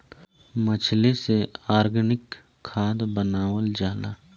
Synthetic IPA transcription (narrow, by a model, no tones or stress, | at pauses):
mət͡ʃʰleseaːɾɡənɪkʰː | aːd̪bənaːwəld͡ʒaːlaː